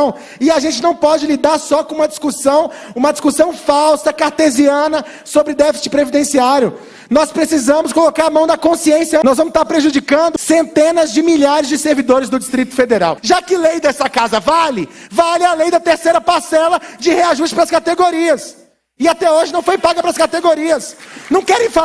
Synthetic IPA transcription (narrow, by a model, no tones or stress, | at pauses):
w̃ | ɪaʒẽnt͡ʃɪnɐ̃w̃pɔd͡ʒɪlid̪aɾsɔkõũmɐd͡ʒiskusɐ̃w̃ | ũmɐd͡ʒiskusɐ̃w̃fawsɐkaɾt̪eziɐ̃nɐ | sobɾɪd̪ɛfi̥sɪ̥pɾevid̪ẽsiaɾjʊ | nɔspɾesizɐ̃mʊskolokaɾamɐ̃w̃d̪ɐkõsiẽsjɐnɔzvɐ̃mʊst̪aɾpɾeʒud͡ʒikɐ̃nd̪ʊsẽnt̪ẽnɐzd͡ʒɪmiʎaɾɪzd͡ʒɪseɾvid̪oɾɪzd̪ʊd͡ʒist̪ɾit̪ʊ̥fed̪eɾa̰wʒakɪlejd̪ɛsɐkazɐvalɪvalɪalejd̪ɐt̪eɾsejɾɐpaɾsɛlɐd͡ʒɪheaʒusʃt͡ʃɪ̥pɾɐskat̪eɡoɾiɐs | ɪat̪ɛoʒɪnɐ̃w̃fojpaɡɐpɾɐskat̪eɡoɾiɐsnɐ̃w̃kɛɾẽj̃fa